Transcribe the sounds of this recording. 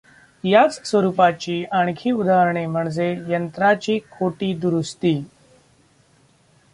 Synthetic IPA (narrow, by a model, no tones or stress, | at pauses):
jat͡ssʋəɾuːpat͡ɕiːʔaɳ̃kʰiːud̪ʱaɾɳem̤əɳd͡zejənt̪ɾat͡ɕiːkʰoʈiːd̪uɾust̪iː